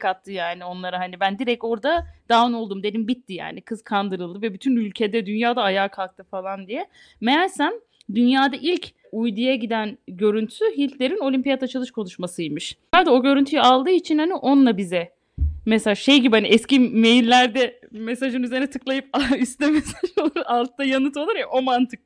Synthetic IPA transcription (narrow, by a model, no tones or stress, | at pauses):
kʰat̪ʰːɯjaːnio̞nlˠaɾaɦanibænd̪iɾɛc̚o̞ɾd̪ad̪aːɯno̞lˠd̪umd̪e̞d̪imbit̪ːija̰ːnikʰɯz̥kʰand̪ɯɾɯlˠd̪ɯvɛbyt̪ʰynylʲcʰed̪ɛd̪ynjaːd̪aːjaːkʰalˠk̚t̪ʰɯfalˠand̪ijɛ | meæɾsæm | d̪ynjaːd̪aʔilʲcʰ | ujd̪ujaɟid̪ænɟø̞ɾynt̪ʰy̥syɦilʲt̪lʲe̞ɾino̞lʲympijat̪at͡ʃʰalˠɯʃkʰo̞nuʃmasɯjmɯʃhaɾd̪io̞ɟø̞ɾynt̪ʰyjɛalˠd̪ɯːit͡ʃʰinhaniʔo̞nlˠabizɛ | mesaʒʃejɟibihaniɛscimejilʲːæɾd̪ɛmesaʒɯnyze̞ɾnɛt̪ʰɯklˠajɯp̚aist̪ɛmesaʒolˠalˠt̪d̪ajanɯt̪olˠuɾɛʔo̞mant̪ʰɯk̚